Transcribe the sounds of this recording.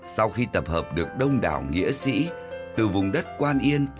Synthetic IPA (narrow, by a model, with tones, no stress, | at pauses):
sa˧wxi˧t̪ə˨˩p̚həː˨˩p̚ɗɨ˨˩ək̚ɗə˧wŋ͡mɗa̰ː˨˩wŋḭ˧˥əsḭ˧˥ | t̪ɨ˨˩vʊ˨˩ŋ͡mɗə˦˥t̚kwaː˧nʔi˧ən